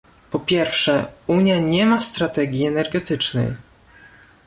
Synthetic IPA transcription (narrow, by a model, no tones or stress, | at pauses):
pɔpʲjɛɾfʂɛuɲjaɲɛmast̪ɾat̪ɛɡʲiɛnɛɾɡɛt̪ɘt͡ʂnɘ̰j